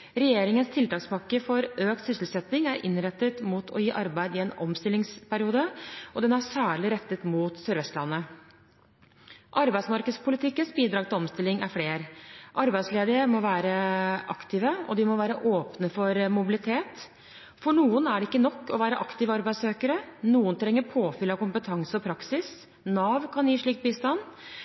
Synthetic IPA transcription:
ɾɛjeːɾɪŋənst̪ʰɪlt̪ɑːkspɑkːəfɔɾøːkt̪sʏsl̩sɛt̪nɪŋæɾʔɪ̰nɾɛt̪ːət̪mut̪ʰɔjiːʔɑɾbæɪd̪ɪɛːnɔmst̪ɪlːɪŋspʰæɾɪuːd̪əʔɔd̪ɛnæsæːɭɪɾɛt̪ːət̪muːt̪sœɾʋɛst̪lɑnːə | ʔɑɾbæɪsmɑɾkəd̪spʰʊlɪt̪ʰɪkːənsbiːd̪ɾɑːɡ̚t̪ɪlɔmst̪ɪlɪŋæ̰ɾfleːɾʔɑɾbæɪsleːd̪əɾəmɔʋæːɾəʔɑkt̪ʰɪːʋəɔ̰d̪ɪmɔʋæːɾəʔoːpnəfɔɾmʊbɪlɪt̪ʰeːt̪ | fɔɳuːənæɖɛɪkːənɔkːɔʋæːɾəʔɑkt̪ɪːʋɑɾbæɪsøːkəɾənuːənt̪ʰɾɛŋːəɾpʰoːfɪlɑkʊmpət̪ʰɑŋsəɔpʰɾɑksɪs | nɑːʋkʰɑnjiːʂɭiːkt̪̚biːst̪ɑnː

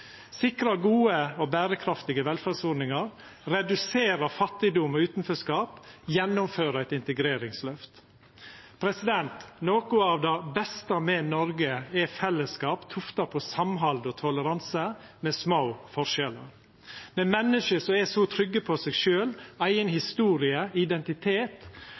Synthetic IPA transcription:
sɪkɾɑɡuːəobæːɾəkʰɾɑft̪ɪɡəʋɛlfæsʊɾnɪŋɑɾ | ɾɛd̪ʉseːɾəfɑt̪ːɪd̪ʊmɔʉːt̪nføːskɑːpjɛnːʊmføːɾəæɪt̪ɪnt̪əɡɾeːɾɪŋslœft̪ | pʰɾɛsɪd̪ɛnt̪noːkʊɑːʋd̪ɛbɛst̪əmɛnɔɾɡəɛfɛlːəskɑːpt̪ʰʊft̪ɑpʰɔsɑmɦɑld̪ɔt̪ʰɔləɾɑnsə | mɛsmaʊfɔɾʂɛlə̰ɾ | mɛmɛnːəʃəsɔɛsɔt̪ʰɾʏɡːəpʰɔsɛɡʃøːlæɪənhɪst̪uːɾɪəɪd̪ɛnt̪ɪt̪ʰeːt̪

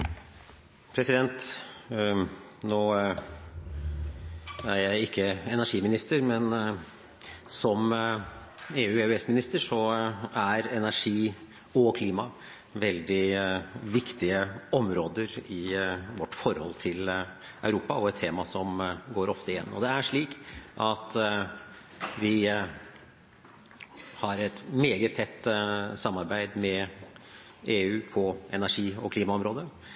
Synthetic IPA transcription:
pʰɾɛsɪd̪ɛnt̪ | noː | æɾjæɪɪkːəɛnæʂiːmɪnɪst̪əɾmɛn | sɔm | eːʉːɛʉɛsmɪnɪst̪əʂɔæɾɛnæʂiː | ɔkʰliːmɑ | ʋɛld̪ɪʋɪkt̪ɪəɔmɾoːd̪əɾɪʋɔʈːfɔɾhɔ̰lt̪ʰɪl | ɑ̰ʉɾuːpɑɔɛt̪t̪ʰːeːmɑsɔmɡoːɾɔft̪əɪjɛ̰nːɔ̰d̪ɛæʂɭiːkʔɑt̪ | ʋɪ | hɑɾɛt̪meːɡət̪ʰːɛt̪ːsɑmːɑɾbæɪd̪mɛ | eːʉːpʰɔɛnæʂiːɔ̰kliːmɑɔmɾoːd̪ə

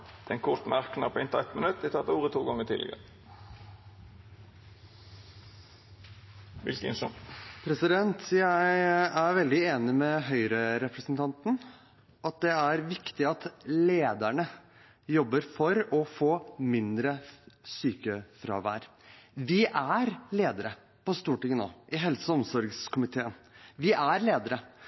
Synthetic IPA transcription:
d̪̥ɛnkʰʊt̪n̩æʁknɑpʰɔɪnt̪əɛt̪mənʉt̪dɪt̪ʰɑːt̪uːʁət̪ʰuːɡɔŋːəʈ̪ʰiːlɪɡə̰ɾə | ʋɪ̰lkənʂɔnpʰɾɛsɪd̪ɛnt̪jæɪɪæɾʋɛld̪ɪeːnɪmɛɦœʏɾəɾɛpɾəsnt̪ʰɑnt̪n̩ | ɑt̪̚d̪ɛæɾʋɪkt̪ɪɑt̪leːd̪æɳə | jɔbːəɾfɔɾɔfoːmɪnd̪ɾəsyːkəfɾɑ̰ːʋæ̰ːɾ | ʋɪʔæɾleːd̪əɾə | pɔst̪uːʈɪŋəno̰ːʔɪɦɛlsəɔmsɔɾɡskʰʊmɪt̪ʰeːənʋɪʔæɾleːd̪əɾə

